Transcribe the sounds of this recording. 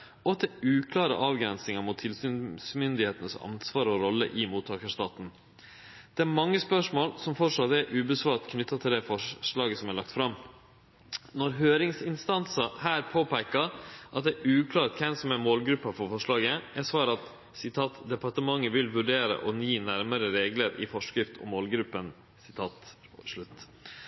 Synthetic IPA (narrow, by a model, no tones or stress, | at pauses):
ɔɑt̪̚d̪ɛʉːkʰlɑːɾə̰ʔɑːʋɡɾɛnsnɪŋɑmʊt̪ʰːɪlsyːnsmʏnd̪ɪheːt̪ənəsɑ̰nsʋɑːɾɔɾɔlːə̰ʔɪmuːt̪ʰːɑːkəʂt̪ɑːt̪n̩ | d̪̥ɛæɾmɑŋːəspœʂmoːlsɔmfɔʂɑt̪ːɛʔʉːbəsʋɑːɾt̪kʰnʏt̪ʰːɑt̪ʰɪld̪ɛfɔʂɭɑːɡəsɔmæɭɑk̚t̪fɾɑm | nɔɾɦøːɾɪŋsɪnst̪ɑnsəhæːɾpʰoːpæɪkɑʔɑt̪̚d̪ɛʔʉːkʰlɑːɾʈ̪kʰɛmsɔmæmoːlɡɾʉpːɑfɔɾfɔʂɭɑːɡəʔæsʋɑːɾɑt̪ | sɪt̪ʰɑːt̪d̪ɛpɑʈəmɑŋːəʋɪlʋʉɖeːɾə̰ʔɔniːnæɾməɾəɾeːɡləɾɪ̰fɔʂkɾɪft̪ʰɔ̰mːoːlɡɾʉpːən | sɪt̪ʰɑːt̪ʂɭʉt̪ː